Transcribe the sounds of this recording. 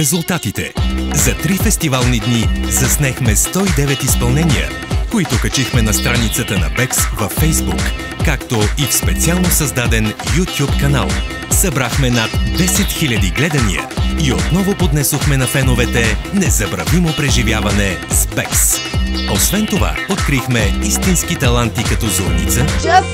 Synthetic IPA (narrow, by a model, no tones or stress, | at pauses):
ɾɛzulˠt̪at̪it̪ɛ̰zɐt̪ɾifɛst̪ivalˠnid̪nizɐsnɛxmɛst̪ɔid̪ɛvɛt̪ispɐlˠnɛniə̰ | koit̪ʊkɐt͡ʃixmɛnɐst̪ɾanit̪sət̪ənɐ̰pɛksvɐfːɛjzbṵkː | akt̪oifspɛt̪sialˠnosɐzd̪ad̪ɛnjut̪ʲjupkɐna̰lˠ | sɐbɾaxmɛnat̪d̪ɛsɛt̪xilʲɐd̪iɡlɛd̪ɐnḭə̰iot̪nɔvopod̪nɛsoxmɛnɐfɛnovɛt̪ɛnɛzɐbɾɐvimopɾɛʒivjavɐnɛspɛksosvɛnt̪ova̰ot̪̚kɾixmɛist̪inskit̪ɐlˠant̪ikɐt̪ɔzoɾnḭt̪sə